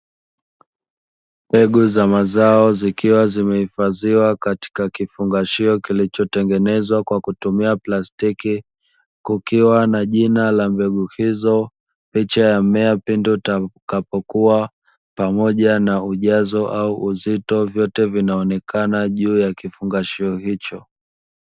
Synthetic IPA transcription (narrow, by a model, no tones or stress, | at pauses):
mmbɛɠuzamazaɔzikiwazimɛhifaðiwakati̥kakifuŋɡaʃiɔkilit͡ʃɔtɛŋɡɛnɛzwakwakutumiaplastiki | kukiwanaʄinalambɛɠuhizɔ | pit͡ʃajamɛapindutkapɔkua | pamɔʄanauʄazɔʔauʔuzitɔvjɔtɛvinaɔnɛkanaʄuːjakifuŋɡaʃiɔhit͡ʃɔ